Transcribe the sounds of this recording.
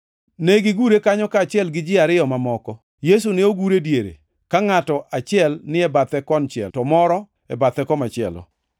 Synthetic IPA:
neɡɪɡuɾekaɲɔkaːt͡ʃɪɛlɡɪd͡ʒɪaɾɪjɔmamɔkɔ | jes̬uneoɡuɾedjeɾḛ | kaŋatɔʔat͡ʃɪɛlnɪɛbat̪ɛkɔnt͡ʃɛ̰ltɔmɔɾɔ | ɛbat̪ɛkɔmat͡ʃɪɛ̰lɔ̰

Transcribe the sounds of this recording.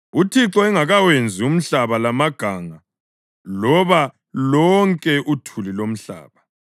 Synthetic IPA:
utʰiǁɔɛŋaɣawend͡zʱium̩ɬaβalamaɡ̥ʱaːŋa | lɔβa | lɔŋkʼɛʔutʰulilom̩ɬa̰ːβa

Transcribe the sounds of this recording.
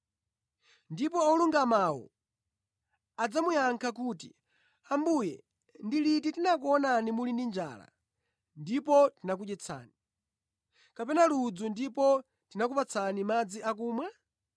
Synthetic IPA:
ndipɔɔluŋɡamawɔ̰ | ad͡zamujaŋkʰak̬uːtḭ | ambujɛ̰ | ndilititinak̬uɔnanimulindind͡ʒa̰ːla̰ | ndipɔtinak̬uɗɛt͡sʰa̰ːni | kapɛnalud͡zundipɔ | tinak̬upat͡sʰanimad͡ziʔak̬uːmwa

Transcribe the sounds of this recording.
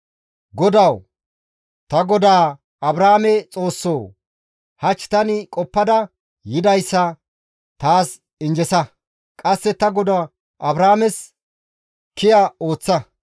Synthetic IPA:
ɡɔd̪ɐw | t̪ɐɡɔd̪aː | ɐbɾaːmɛt͡sʼo̞ːsːo̞ː | hɐt͡ʃːt̪ɐnɪkʼɔpːɐd̪ɐ | jɪd̪ɐjsːɐ | t̪aːs | ɪnd͡ʒɛsɐ | kʼɐsːɛt̪ɐɡɔd̪a | ʔɐbɾaːmɛs | kɪjaoːt͡sːɐ

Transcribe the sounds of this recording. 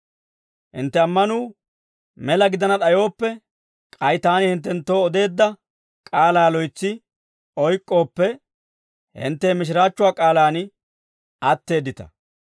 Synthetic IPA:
hɪ̰nt̪ːɛɐmːɐnuː | mɛlɐɡɪd̪ɐnɐɗ̪ɐjo̞ːpːɛ | kʼɐjt̪aːnɪhɪnt̪̬ːɛnt̪ːo̞ːɔd̪e̞ːd̪ːɐ | kʼaːlaːlɔjt͡sːɪ | ɔjkʼːo̞ːpːɛ | hɪ̰nt̪ːeːmɪʃ̬ɪɾaːt͡ʃːʊwaːkʼaːlaːnɪ | ʔɐt̪ːe̞ːd̪ːɪt̪ɐ̥̰

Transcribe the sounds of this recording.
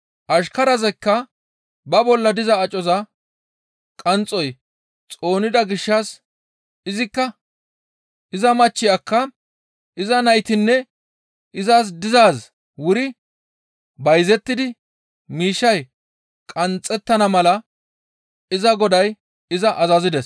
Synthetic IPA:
ʔɐʃkɐɾɐzɛkːɐ | bɐbɔlːɐd̪ɪzɐːt͡ʃʼɔzɐ | kʼɐnt͡sʼːɔj | t͡sʼo̞ːnɪd̪ɐɡɪʃːɐs | ɪzɪkːɐ | ɪzɐmɐt͡ʃːɪjɐkːɐ | ʔɪzɐnɐjt̪ɪnːɛ | ɪzaːs̬d̪ɪzaːs | wʊɾɪ | bɐjzɛt̪ːɪd̪ɪ | miːʃːɐj | kʼɐnt͡sʼːɛt̪ːɐnɐmɐlɐ | ɪzɐɡɔd̪ɐj | ɪzɐʔɐzɐzɪd̪ɛs

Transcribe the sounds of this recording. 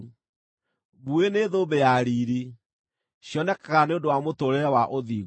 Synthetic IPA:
βueneðoːbejaɾiːɾi | ɕjɔnɛkaɣaneodowamotoɾeɾɛwaʔoði

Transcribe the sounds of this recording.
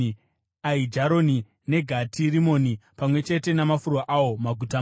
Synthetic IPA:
aid͡ʒaɾo̞ni | ne̞ɡʱatʰirimo̞ːnipamwe̞t͡ʃe̞te̞namafurwaʔawo̞maɡʱuta

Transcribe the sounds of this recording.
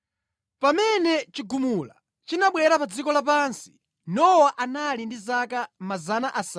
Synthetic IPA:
pamɛnɛt͡ʃiɡumula̰ | t͡ʃinaɓwɛɾapad͡zikɔlap̬ansi̥ | nɔwaʔanalindizakamazanaʔasa

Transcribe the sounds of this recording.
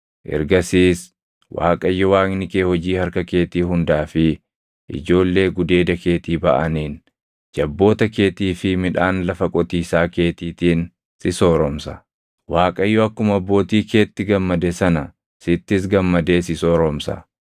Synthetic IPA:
ʔɛ̰ɾɡɐsiːs | wa̰ːkʼɐjːɔwaːknɪkeːhɔd͡ʒiːhɐɾkɐke̞ːt̪iːhʊnd̪aːfɪ | ʔɪ̰d͡ʒo̞ːlːe̞ːɡʊd̪e̞ːd̪ɐke̞ːt̪iːbɐ̰ʔɐniːn | d͡ʒɐbːo̞ːt̪ɐke̞ːt̪iːfɪmɪᶑaːnlɐfɐkʼɔt̪iːsaːke̞ːt̪iːt̪iːn | sɪsoːɾɔmsɐ̥ | waːkʼɐjːɔɐkːʊmɐɐbːo̞ːt̪iːke̞ːt̪ːɪɡɐmːɐd̪ɛsɐnɐ | sɪt̪ːɪs̬ɡɐmːɐd̪e̞ːsɪsɔːɾɔmsɐ̰

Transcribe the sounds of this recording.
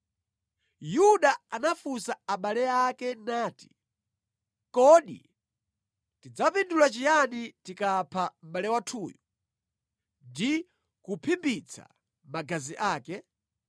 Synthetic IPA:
juɗaanafusaaɓalɛakɛnaːti̥ | kɔɗḭ | tid͡zapindulat͡ʃijanitikapʰam̩ɓalɛwatʰuːju | ndi | kupʰimbit͡sʰa̰ | maɡaziʔaːkɛ

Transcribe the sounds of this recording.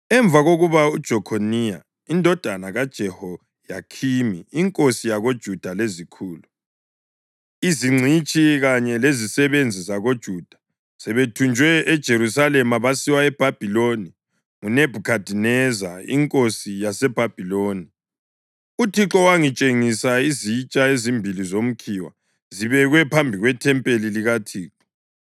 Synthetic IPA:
ɛɱb̪vʱaɣoɣuβaud̥ʒ̥ʱɔkʰonija | indʱɔd̥ʱanaɣad̥ʒ̥ʱɛhɔ | ja̰kʰimiːŋkʼosijaɣod̥ʒ̥ʱud̥ʱalezikʰuːlu | iziŋ͡ǀʱit͡ʃʼiɣaɲɛlezisɛβend͡zʱizaɣod̥ʒ̥ʱud̥ʱḁ | sɛβetʰund͡ʒʱwɛɛd̥ʒ̥ʱeɾusalɛmaβasiwaɛb̥ʱab̥ʱiloni | ŋuneb̥ʱukʰad̥ʱinɛza̰ḭŋkʼosijasɛb̥ʱab̥ʱiloːni | utʰiǁɔwaŋit͡ʃʼeŋisaizit͡ʃʼaezimbʱilizom̩kʰiwa̰ | ziβɛɣwɛpʰambʱiɣwɛtʰɛmpʼeliliɣatʰiːǁɔ̥

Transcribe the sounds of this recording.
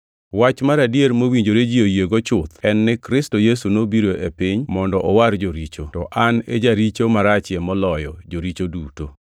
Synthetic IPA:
wat͡ʃmaɾadijeɾmowiɲd͡ʒoɾed͡ʒiojeɡot͡ʃʊt̪ɛnːɪkɾɪstojesunobiɾoepiɲmɔndɔʔɔwaɾd͡ʒoɾit͡ʃotɔʔanḛd͡ʒaɾit͡ʃomaɾat͡ʃjɛmɔlɔjɔd͡ʒoɾit͡ʃoduto

